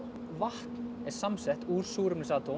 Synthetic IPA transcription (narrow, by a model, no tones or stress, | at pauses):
vaht̪n | ɛɾ̥samsɛht̪uːɾ̥suːɾʏmnɪsaːt̪o